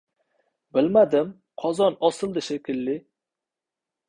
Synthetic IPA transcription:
bɪlmad̪ɪm | qʰɒzɒnɒsɨlˠd̪ɪʃekʲʰɪlːɪ

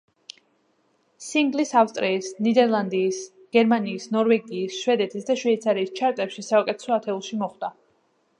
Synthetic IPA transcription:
siŋɡlisafst̪ʼɾʔiːsnid̪ɛɾlˠand̪iːs | ɡ̥ɛɾmaniːsnɔɾvɛɡiːsʃvɛd̪ɛt̪ʰisd̪aʃvɛit̪sʰaɾiːst͡ʃʰaɾt̪ʼɛpʃisaukʼɛt̪ʰɛ̥sɔat̪ʰɛulˠʃimɔχd̪a

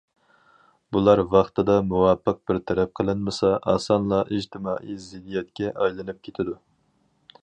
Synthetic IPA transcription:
bulˠɑɾvɑχt̪ʰɨd̪ɑmuwɑpʰːəq̚bɪɾt̪ʰɛɾɛp̚qʰəlˠɨnmɨsɑʔɑ̰sɑnlˠɑʔiʒt̪ʰɪmɑːʔijzɪd̪ijɛt̪̚kʲɛʔɑjlˠɨnɨp̚kʲʰet̪ʰɪd̪u

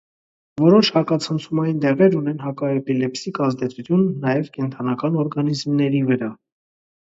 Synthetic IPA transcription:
vɔɾɔt͡ʃʰhɑkɑt͡sʰənt͡sʰumɑjind̪ɛʁɛɾunɛnɦɑkɑɛpilɛpsikɑzd̪ɛt͡sʰut̪ʰjunːɑjɛvkɛnt̪ʰɑnɑkɑnɔɾɡɑnizmnɛɾivəɾɑ

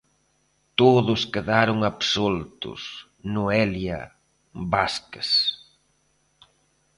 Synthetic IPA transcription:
t̪oðʊskeðaɾʊŋapsolt̪ʊ̰s | nuɛlja̰ | baskes

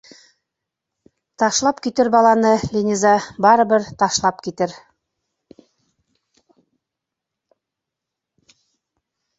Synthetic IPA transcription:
t̪ɑʃlˠɑpkit̪ɘɾbɑlˠɑnɤlʲinʲizɑbɑɾɤ̆βɤɾt̪ɑʃlˠɑpkit̪ɘɾ

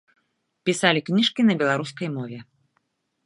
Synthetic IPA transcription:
pʲisalʲiknʲiʂkʲinɐbʲɛlˠaɾuskɐjmɔvʲɛ

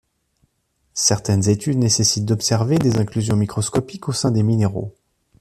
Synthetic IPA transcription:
sɛʁt̪ɛnzet̪yd̪nesesit̪̚d̪ɔpsɛʁved̪ezɛ̃klyzjɔ̃mikχɔskɔpikosɛ̃d̪emineʁo̰

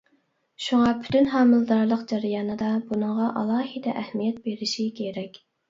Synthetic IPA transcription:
ʃuŋɑpʰy̥t̪ʰynɦɑːmɨlˠd̪ɑɾlˠəqd͡ʒɛɾijɑːnɨd̪ɑbunəŋʁɑʔɑ̰lˠɑːɦid̪ɛʔɛhmijɛt̪̚beɾɪʃikʲʰeɾɛkʲ

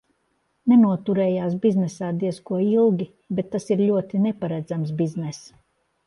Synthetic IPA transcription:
nɛnuɔt̪uɾɛːjaːsbiznɛsaːd̪iɛskuɔilˠɡʲi | bɛt̪ːasiɾʎʲuɔt̪inɛpaɾæd̪zams̬biznɛs

